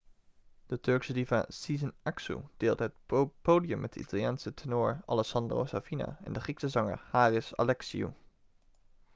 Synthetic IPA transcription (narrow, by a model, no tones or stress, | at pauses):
d̥ətɵɹksədiva̰sizənaksṵd̥eːlˠdəɦət̚powdiəmɛt̚dəḭtalˠjaːnsətʰənʊːɹɑ̰lɛksɑndro̰wsavina̰ɛ̰ndəχiksəzɑŋə̰ɹhaːrɪsa̰lɛksḭṵ